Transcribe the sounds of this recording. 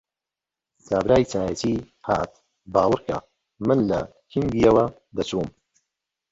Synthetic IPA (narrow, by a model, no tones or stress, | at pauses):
taːbɾaːjit͡saːjɐt̪i | ha̰ːt̪̚ | baːwɨɾka̰ | mɨnlɐ̰ | kʰiŋɡijɐwɐ | d̪ɐt͡ʃuːm